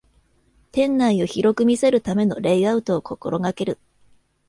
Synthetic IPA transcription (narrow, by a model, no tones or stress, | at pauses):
t̪ẽ̞nːaio̞çiɾo̞kɯ̟mʲise̞ɾɯ̟t̪ame̞no̞̰ɾe̞iaɯ̟t̪o̞ːkʰo̞ko̞̰ɾo̞ŋake̞ɾɯ̟